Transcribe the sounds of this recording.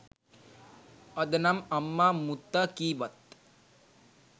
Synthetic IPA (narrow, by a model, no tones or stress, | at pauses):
ɐd̪ɐnɐmɐmːaːmut̪ːɐkiːʋɐt̪